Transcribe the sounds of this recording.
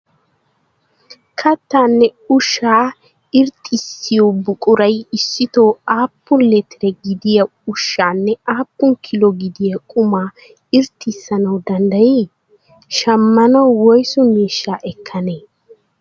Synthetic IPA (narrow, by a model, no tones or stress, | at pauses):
kʰɐt̪ːaːnːɛʊʃːaː | ɪɾt̪ʼːɪsːɪjobʊkʼʊɾɐjɪsːɪt̪oːaːpːʊnlɛt̪ɪɾɛɡɪd̪ɪjɐ | ʊʃːaːnːɛaːpːʊŋkʰɪlɔɡɪd̪ɪjɐkʼʊmaː | ɪɾt̪ʰʼːɪsːɐnɐwd̪ɐnd̪ɐji | ʃɐmːɐnɐwwɔjsʊmiːʃːaːʔɛkʰːɐneː